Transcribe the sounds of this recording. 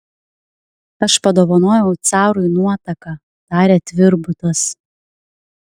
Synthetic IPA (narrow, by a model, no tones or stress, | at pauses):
ɐʃpɐd̪oːʋɐnoːjɛʊt̪sɑːɾʊɪnuɔt̪ɐkɐ | d̪̥ɑːɾʲeːt̪ʲʋʲɪɾbʊt̪ɐs